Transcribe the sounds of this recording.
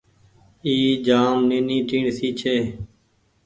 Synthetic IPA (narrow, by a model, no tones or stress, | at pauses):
iːd͡ʒaːmnĩːnĩːʈiːɳsiːt͡ʃʰeː